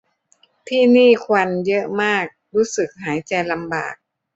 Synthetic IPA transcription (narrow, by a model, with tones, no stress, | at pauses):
t̪ʰiː˥˩niː˥˩kʰwa˧njɤ˦˥ʔmaː˥˩k̚ɾuː˦˥sɯ˨˩k̚ɦaː˩˦jt͡ɕa˧jla˧mba̰ː˨˩k̚